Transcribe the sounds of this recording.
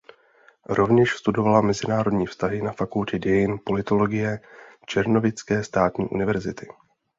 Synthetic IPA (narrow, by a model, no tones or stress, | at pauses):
ɾo̞vɲɛʃst̪udo̞valamɛzɪnaːɾo̞dɲiːfst̪aɦɪnafakulcɛdɛjɪnpo̞lɪt̪o̞lo̞ɡɪjɛt͡ʃɛɾno̞vɪt͡skɛːst̪aːt̪ɲḭːʔṵnɪvɛɾzɪt̪ɪ